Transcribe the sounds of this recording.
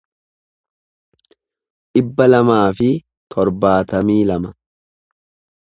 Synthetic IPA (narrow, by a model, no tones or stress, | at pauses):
ᶑɪbːɐlɐmaːfɪ | t̪ʰɔɾbaːt̪ɐmiːlɐmɐ